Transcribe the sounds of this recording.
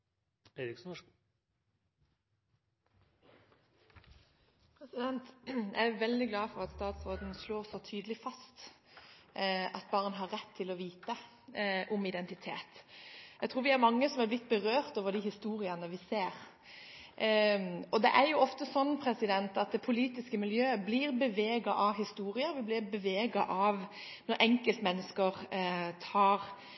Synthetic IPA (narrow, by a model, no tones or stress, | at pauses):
eɾɪksnɔ | pʰɛsɪd̪ɛnt̪jæ̰ɪæʋɛld̪ɪɡlɑːfɔɾɑt̪st̪ɑːt̪sʁoːd̪n̩sloːʁsɔt̪ʰyːd̪əlɪfɑst̪ | ɑt̪̚bɑːɾənɦɑɾːɛt̪ʰːɪlɔʋiːt̪ə | ʔʊmɪd̪ɛnt̪ɪt̪ʰḛːt̪jæɡt̪ʰɾuːɾʋɪæɾmɑŋːəsɔmæɾblɪt̪̚ːbəɾøːɾt̪oːʋəɾd̪ɪhɪst̪uːɾɪənəʋɪseːɾ | ɔd̪ɛ̰ʔæɾjʊɔft̪əsɔnːpʰɾɛsɪd̪ɛnt̪ɑt̪̚d̪ɛpʰʊliːt̪ɪskəmɪljøːbliːɾbəʋeːɡɑʔɑʋɦɪst̪uːɾɪəʋɪblɪɾbəʋeːɡɑʔɑʋ | nɔɾʔɛŋkəlt̪mɛnːəskəɾt̪ʰɑːɾ